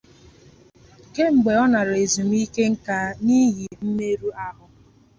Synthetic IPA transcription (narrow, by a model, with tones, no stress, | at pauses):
ɡe˦ŋ͡m̩˨ɡ͡be˨ɔ˦na˨ɾe˨zi˨m̩˦i˦ke˦ŋ̩˦ka˦ni˦ɦi˨m̩˦me˦ɾu˦a˦ɦʊ˦